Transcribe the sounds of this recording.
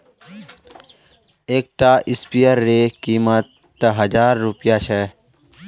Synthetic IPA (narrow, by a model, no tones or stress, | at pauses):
eːk̚ʈaːʔɪspijəɾːekiːmət̪ː | əɦəd͡ʒaːɾːʊpijaːʃɛ